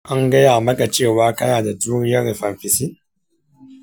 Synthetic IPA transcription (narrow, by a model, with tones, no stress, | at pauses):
ʔa˦ŋɡɐ˦jaː˨mɐ˦ka˨t͡ʃeː˦˨waː˦kɐ˦naː˨da˨duː˦nɪ˦jɐ˦ɾɸɐ˨mɸɪ˨si˦